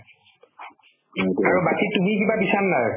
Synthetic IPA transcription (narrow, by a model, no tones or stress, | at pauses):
aɹubatitumikibabisannaɹ